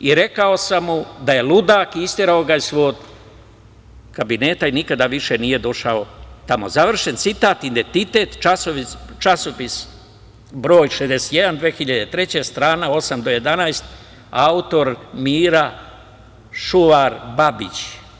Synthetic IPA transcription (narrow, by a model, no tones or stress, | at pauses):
iɾe̞kao̞samud̪aje̞lud̪aːkist̪eɾaoɡaisʋo̞ːɡ̪ | kabine̞ːt̪ainikad̪aʋiʃe̞nije̞d̪o̞ʃao̞t̪amo̞zaʋr̩ʃe̞nt̪sit̪aːt̪ind̪ent̪it̪e̞ːt̪t͡ʃasoʋit͡ʃasopis | bɾoːjʃezd̪ese̥t̪je̞d̪and̪ʋe̞ːxiʎad̪et̪ɾe̞t͡ɕest̪ɾaːnao̞samd̪o̞je̞d̪anajst̪ | aut̪o̞ɾmiːɾa | ʃuʋaɾbabit͡ɕ